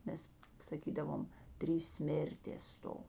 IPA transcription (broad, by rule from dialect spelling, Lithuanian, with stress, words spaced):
ˈmʲɛs sɐˈkʲiːdɐʋoːm ˈtʲrʲiːs ˈsʲmʲeːrʲtʲeːs ˈstoː